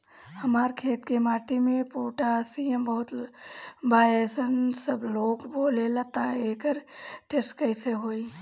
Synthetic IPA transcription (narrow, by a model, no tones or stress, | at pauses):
hɐmaːɾkʰeːt̪kemaːʈʰimẽpoːʈasiəmbəɦʊt̪ | baːeːsənsəbloːkboːlelɐt̪aeːkəɾʈeskəɪseɦoːi